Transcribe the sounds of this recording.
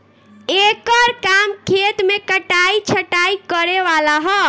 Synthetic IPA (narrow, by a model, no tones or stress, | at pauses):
ekəɾkamkʰet̪mekəʈait͡ʃʰəʈaikəɾeʋalaɦɔ